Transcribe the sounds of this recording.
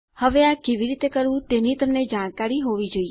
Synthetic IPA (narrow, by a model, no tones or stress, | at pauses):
həʋeakeʋiɾit̪ekəɾʋũt̪enit̪əmned͡ʒaɽ̃kaɾiɦoʋid͡ʒoie